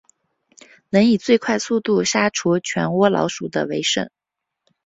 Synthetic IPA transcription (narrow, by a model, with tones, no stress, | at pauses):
nə˧˥ŋi˨˩t͡swe˥˧ɪkʰwa˥˧ɪsu˥˧t̪u˥˩ʂa˥ʈ͡ʂʰu˧˥t͡ɕʰɥɛ̰˧˥nwɔ˥lɑ̰˧˥ʊʂu˨˩d̪ə̰˦we˧˥ɪʂə̰˨˩˦